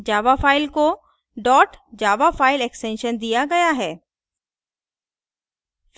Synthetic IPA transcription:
d͡ʒaːʋafaːɪlko | ɖɔːʈd͡ʒaːʋafaːɪlɛksʈɛ̃nʃənd̪ijaɡɐjaɦɛː | f

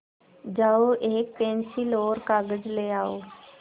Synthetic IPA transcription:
d͡ʒaːoʔeːk̚pẽːnsiloːɾkaːɡəd͡ʒleːaːoː

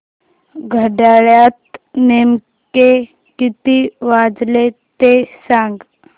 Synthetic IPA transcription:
ɡʱəɖaːɭjat̪̚neːm | ke | kit̪iʋaːd͡zlet̪esãŋɡ

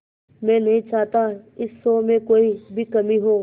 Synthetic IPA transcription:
mɛ̃ːnɐɦĩt͡ʃaːt̪aɪsːoːmẽkoːibʱikɐmiɦoː

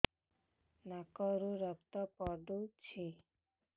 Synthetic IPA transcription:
nakɔɾoɾəp̚t̪ɔpɔɾd̪ot͡ɕʰe

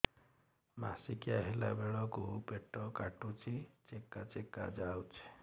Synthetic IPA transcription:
ma̰sikijaɦela̰beɭɔkupeʈːɔkaʈut͡ʃʰit͡ʃekːat͡ʃekːa̰d͡ʒawt͡ʃʰ

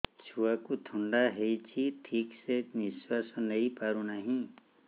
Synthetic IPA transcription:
sʰuakut̪ʰuɳɖaɦejt͡ʃʰiʈʰiːkseniswasɔnəipaɾunaɦĩ

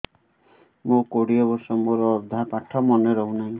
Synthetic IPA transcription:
mukoɽiɔbɔɾsɔmuɾɔːd̪ʱapaʈʰːɔmɔneɾɔɦunaɦĩ

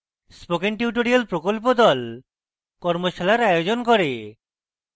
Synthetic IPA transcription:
spokeŋʈjuʈ̬oɾialpɾokolp̬od̪ɔl | kɔɾmoʃalaɾajod͡ʑonkɔɾe

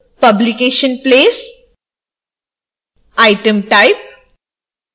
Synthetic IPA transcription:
pɐblikeːʃənpleːs | aɪʈəmʈaɪp̚

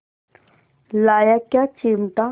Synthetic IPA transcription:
lajakjat͡ʃimt̪a

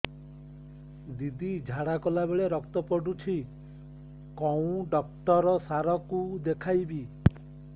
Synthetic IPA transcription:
d̪id̪id͡ʒʱaɽakɔlabeɭeɾɔkt̪ɔpɔɖut͡ʃʰi | kɔũɖɔk̚ʈɔɾɔsaɾɔkud̪ekʰajbi

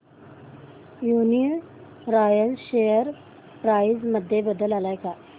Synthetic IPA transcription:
juni | ɾajəlɕejəɾ | pɾaizməd̪ʱːjebəd̪əlalajka

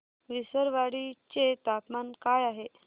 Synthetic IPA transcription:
ʋisəɾʋaɽit͡ɕet̪apmankajaɦe

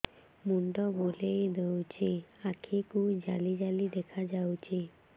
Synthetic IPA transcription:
muɳʈɔbolejd̪ewt͡ʃʰiakʰikud͡ʒalid͡ʒalid̪ekʰad͡ʒawt͡ʃʰi

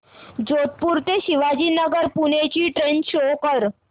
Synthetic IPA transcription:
d͡ʑot̪̚puɾt̪eɕiʋad͡ʑiːnəɡəɾpunet͡ɕiːʈɾenɕokəɾ

